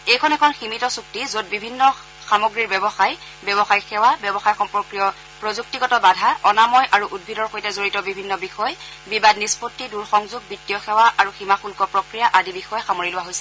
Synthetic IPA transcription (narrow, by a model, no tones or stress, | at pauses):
ejkʰɔnɛkʰɔnximitɔsuk̚tizod̚bibʱinːɔ | xamoɡɹiɹbɛbɔxaj | bɔbɔxajxɛwabjɔbɔxajxɔmpɹɔkɹijɔ | pɹozuk̚tiɡɔtɔbadʱaɔnamɔjʔaɹuʔud̚bʱidɔɹxojtɛzoɹitɔbibʱinːɔbixɔj | bibadnispotːiduɹxɔŋzub̚bitːijɔxɛwaʔaɹuximaxulkɔpɹokɹijaʔadibixɔjɛxamoɹilʊwaɦojsɛ